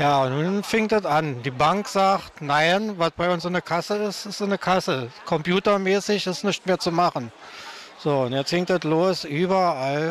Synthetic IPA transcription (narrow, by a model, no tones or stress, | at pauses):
jaːʊntnunfɪŋtdətand̥iːbaŋkz̥aːxtnaɪnvasb̥aɪʊnsɪnəkʰasəɪstɪstɪnəkʰasəkʰɔmpjuːtɐmɛːsɪçɪstnɪçtmeːɐt͡sumaχn̩ | z̥oːʊntjɛt͡sthɪŋtdɛtloːsʔyːbɐʔal